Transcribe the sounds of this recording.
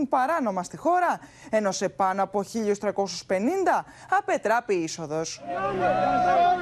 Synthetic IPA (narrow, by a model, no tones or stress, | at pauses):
mpɐɾɐno̞mɐst̪ixo̞ɾɐ | e̞no̞se̞pɐnoɐpo̞çiʎost̪ɾɐko̞suspe̞nind̪ɐ | ɐpe̞t̪ɾɐpiiso̞ðo̞s